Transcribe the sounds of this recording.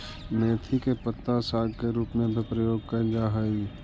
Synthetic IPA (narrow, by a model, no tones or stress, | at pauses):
nɛːt̪ʰikepət̪ːasaːɡkeɾuːpmẽbʱipɾəjoːɡ̚kəɾd͡ʒaːɦaiː